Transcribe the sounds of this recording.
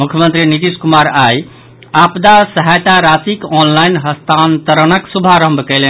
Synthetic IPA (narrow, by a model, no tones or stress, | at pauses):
mukʰjəmənt̪ɾinit̪iskumaɾaj | apd̪asəɦajt̪aɾasikɔnlajnɦəst̪ʰant̪əɾənəksubʱaɾəmbʱkəlɛn